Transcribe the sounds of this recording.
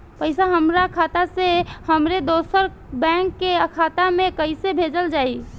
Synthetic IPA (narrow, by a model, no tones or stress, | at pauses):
pəɪsaɦəmɾakʰat̪asehəmɾed̪osəɾ | bɛ̃ŋkːeəkʰat̪amekəɪsebʱed͡ʒəld͡ʒai